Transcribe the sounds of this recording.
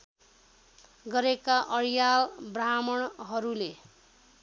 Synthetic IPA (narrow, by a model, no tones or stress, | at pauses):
ɡʌɾekaʔʌɾjalbramʌɽɦʌɾule